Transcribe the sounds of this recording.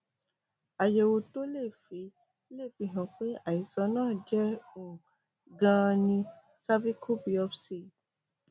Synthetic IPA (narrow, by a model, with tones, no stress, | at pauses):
a˨je˨wo˧to˦le˦˨fi˨˦ | le˦˨fi˧˦ɦã˨k͡pe˦a˨i˨sɔ˨˦nãː˦˨d͡ʒɛ˦ũ˨ | ɡã˧nĩ˧ | sa˦vi˦kʰo˦bi˧˦ɔ˦bse˦˨